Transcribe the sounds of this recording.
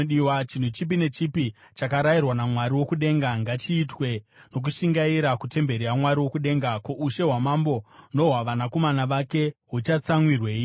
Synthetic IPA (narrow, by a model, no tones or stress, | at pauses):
iwat͡ʃin̤ut͡ʃip̬ine̞t͡ʃipi | t͡ʃakaɾairwanamwaɾiwo̞kuɗe̞ŋɡaŋɡat͡ʃiːtwe̞no̞k̬uʃiŋɡaiɾakute̞mbe̞ɾiamwaɾiwo̞kuɗe̞ːŋɡakoʔuʃe̞ɦwamambo̞no̞ɦwaʋanako̞manaʋake̞ɦut͡ʃat͡samwirwe̞ːi